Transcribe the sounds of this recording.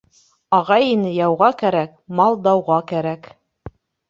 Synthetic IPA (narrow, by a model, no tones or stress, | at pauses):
ɑʁɑjinɘjɑwʁɑkæɾækmɑlˠd̪ɑwʁɑkæɾæk